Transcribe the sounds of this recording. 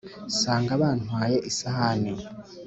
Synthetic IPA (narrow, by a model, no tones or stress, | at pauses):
saːŋɡaβaːnuwaːjeʔisahani